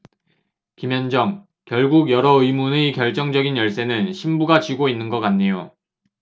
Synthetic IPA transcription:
kimjʌnd͡ʑʌŋ | kjʌɭɡuɡjʌɾʌɯimunekjʌɭt͡ɕ͈ʌŋd͡ʑʌɡinjʌɭs͈e̞nɯnɕʰimbuɡat͡ɕiɡoinːɯnɡʌk͈anɲejo

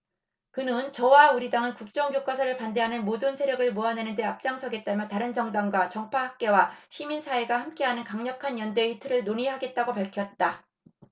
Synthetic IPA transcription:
kɯnɯnt͡ɕʌwauɾidaŋɯnkuk̚t͡ɕ͈ʌŋɡjok͈as̬ʰaɾɯɭpande̞ɦanɯnmodɯnsʰe̞ɾjʌɡɯɭmuʌnenɯnde̞ap̚t͡ɕ͈aŋsʰʌɡe̞t̚t͈amjʌntaɾɯnd͡ʑʌŋdaŋɡwat͡ɕʌŋpʰaɦak̚k͈e̞waɕʰiminsʰaeɡahamk͈e̞ɦanɯnkaŋɲʌkʰanjʌnde̞itʰɯɾɯɭnoɲiɦaɡe̞t̚t͈aɡopaɭkʰjʌt̚t͈a

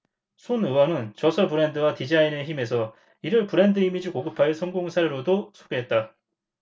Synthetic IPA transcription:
sʰonɯwʌnɯnt͡ɕʌsʰʌpɯɾe̞ndɯwatid͡ʑaine̞çime̞sʰʌ | iɾɯɭpɯɾe̞ndɯimid͡ʑikoɡɯpʰaesʰʌŋɡoŋsʰaɾɯɾodosʰoɡeɦet̚t͈a

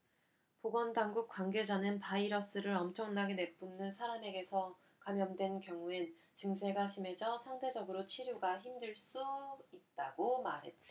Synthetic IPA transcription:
poɡʌndaŋɡuk̚k͈waŋɡe̞d͡ʑanɯnpaiɾʌs͈ɯɾɯɾʌmt͡ɕʰʌŋnaɡene̞p͈unːɯnsʰaɾame̞ɡe̞sʰʌ | kamjʌndwe̞nkjʌŋuen | t͡ɕɯŋsʰe̞ɡaɕʰime̞d͡ʑʌsʰaŋde̞d͡ʑʌɡɯɾot͡ɕʰiɾjoɡaçimdɯɭs͈uit̚t͈aɡomaɾɦe̞t̚

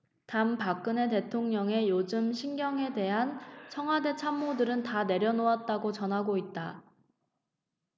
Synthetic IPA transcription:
tampak͈ɯne̞te̞tʰoŋɲʌŋe̞jod͡ʑɯmɕʰinɡjʌŋe̞de̞ɦant͡ɕʰʌŋɦwade̞t͡ɕʰamːodɯɾɯntane̞ɾjʌnoat̚t͈aɡot͡ɕʌnɦaɡoit̚t͈a

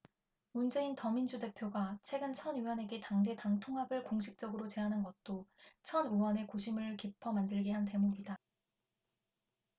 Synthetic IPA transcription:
mund͡ʑe̞intʌmind͡ʑude̞pʰjoɡat͡ɕʰwe̞ɡɯnt͡ɕʰʌnjuwʌne̞ɡe̞taŋde̞taŋtʰoŋɦabɯɭkoŋɕʰik̚t͡ɕ͈ʌɡɯɾot͡ɕe̞ɦanɯnɡʌt̚t͈ot͡ɕʰʌnuwʌne̞koɕʰimɯɭkipʰʌmandɯɭɡeɦante̞moɡida

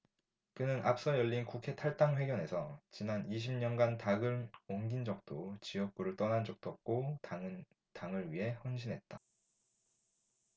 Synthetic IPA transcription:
k͈ɯnɯnʔa̰p̚s͈ʌjʌʎːinkukʰe̞tʰaɭt͈aŋɸwe̞ɡjʌne̞sʰʌt͡ɕinaniɕ̬ʰimɲʌnɡantaɡɯɾoŋɡind͡ʑʌk̚t͈ot͡ɕiʌk̚k͈uɾɯɭt͈ʌnand͡ʑʌk̚t͈oʌp̚k͈o | taŋɯɭɥiɦe̞hʌnɕʰinɦe̞t̚t͈a

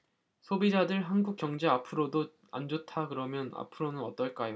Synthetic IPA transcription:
sʰobid͡ʑadɯɭɦanɡuk̚k͈jʌŋd͡ʑeapʰɯɾodo | a̰nd͡ʑotʰakɯɾʌmjʌna̰pʰɯɾonɯnʌt͈ʌɭk͈ajo

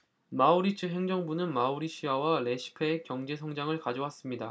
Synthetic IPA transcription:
mauɾit͡ɕʰɯɦe̞ŋd͡ʑʌŋbunɯnmauɾiɕʰiawaɭe̞ɕʰi̥pʰe̞ːkjʌŋd͡ʑe̞sʰʌŋd͡ʑaŋɯɭkad͡ʑowas͈ɯmɲida

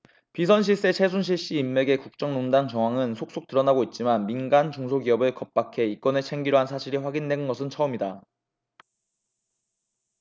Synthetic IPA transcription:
pis̬ʰʌnɕ̬ʰiɭs͈e̞t͡ɕʰe̞sʰunɕ̬ʰiɭɕ͈iːmːe̞ɡe̞kuk̚t͡ɕ͈ʌŋnondaŋt͡ɕʌŋɦwaŋɯnsʰok̚s͈ok̚t͈ɯɾʌnaɡoit̚t͡ɕ͈imanminɡant͡ɕuŋsʰoɡiʌbɯɭkʌp̚p͈akʰe̞ik͈ʌneɭt͡ɕʰe̞ŋɡiɾoɦansʰaɕʰiɾiɸwaɡinːe̞nɡʌsʰɯnt͡ɕʰʌɯmɲida

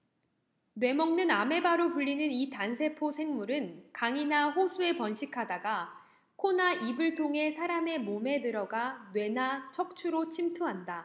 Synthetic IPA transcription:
nwe̞mʌŋnɯname̞baɾopuʎːinɯnitansʰe̞pʰosʰe̞ŋmuɾɯnkaŋinaɸosʰue̞pʌnɕʰikʰadaɡa | kʰonaʔibɯɭtʰoŋɦe̞sʰaɾame̞mome̞dɯɾʌɡanwe̞nat͡ɕʰʌk̚t͡ɕʰuɾot͡ɕʰimtʰuɦanda

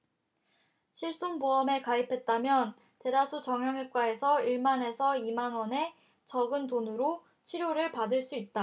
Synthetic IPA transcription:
ɕʰiɭs͈unboʌme̞kaipʰe̞t̚t͈amjʌn | te̞dasʰut͡ɕʌŋjʌŋɦek͈wae̞sʰʌiɭmane̞sʰʌimanwʌne̞ | t͡ɕʌɡɯndonɯɾo | t͡ɕʰiɾjoɾɯɭpadɯɭs͈uit̚t͈a

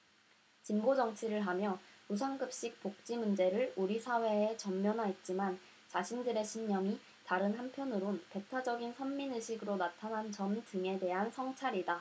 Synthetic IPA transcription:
t͡ɕimbod͡ʑʌŋt͡ɕʰiɾɯɭɦamjʌusʰaŋɡɯp̚ɕ͈ik̚pok̚t͡ɕ͈imund͡ʑe̞ɾɯɭuɾisʰawe̞ːt͡ɕʌmːjʌnɦaɦet̚t͡ɕ͈iman | t͡ɕaɕʰindɯɾe̞ɕʰiɲːʌŋi | taɾɯnɦampʰjʌnɯɾonpe̞tʰad͡ʑʌɡinsʰʌmːinɯɕʰiɡɯɾonatʰanɦant͡ɕʌmdɯŋe̞de̞ɦansʰʌŋt͡ɕʰaɾida

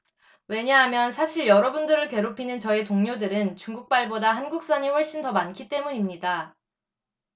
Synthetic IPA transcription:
we̞ɲaɦamjʌnsʰaɕʰiɭjʌɾʌbundɯɾɯɭke̞ɾopʰinɯnt͡ɕʌetoŋɲodɯɾɯnt͡ɕuŋɡuk̚p͈aɭbodaɦanɡuk̚s͈aɲiɸwʌɭɕ͈intʌmankʰit͈e̞muɲimɲida

